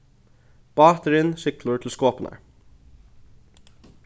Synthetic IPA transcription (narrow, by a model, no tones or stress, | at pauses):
b̥ɑːt̪əɾɪnʃɪkləɹʈ̪ʰɪlskoːpnɑ̰ɹ